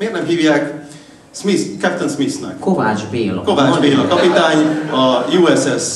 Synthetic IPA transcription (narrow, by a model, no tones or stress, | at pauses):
meːrnɛmɦiːvjaːk | smiskɛp̚t̪ɛnsmisnɛ̰kkovaːd͡ʒbeːlkovaːd͡ʒd͡ʒbeːlɒkɒpit̪aːɲɒjuːɛsɛs